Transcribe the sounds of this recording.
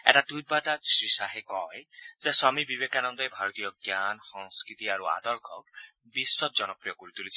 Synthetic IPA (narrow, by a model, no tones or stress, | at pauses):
ɛ̰ɾaʈujt̚baʈasɹisaɦekɔjzesamibibekanɔnd̪ɔjbʱaɹɔt̪ijɔɡjanxɔŋskɹit̪iaɹua̰d̪ɔɹkʰɔk̚ | bisːɔt̪̚zɔnɔpɹijɔkoɹit̪ulii